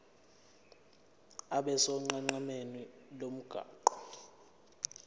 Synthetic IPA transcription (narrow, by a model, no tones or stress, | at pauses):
aɓɛsɔŋ͡ǃaŋ͡ǃamenilom̩ɡ̥ʱa̰ːǃɔ̥